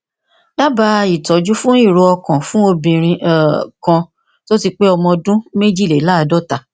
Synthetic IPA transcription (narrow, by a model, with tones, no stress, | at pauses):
la˦ba˧i˨tɔ˨d͡ʒu˦fũ˦i˦˨ɾo˧ɔ˧kɔ̃˨fũ˦o˧bĩ˨ɾ̃ĩ˧ʔkã˧ | to˦ti˧k͡pe˦ɔ˧mɔ̃˧dũ˦me˦d͡ʒi˦˨le˨˦la˦˧dɔ˦ta˨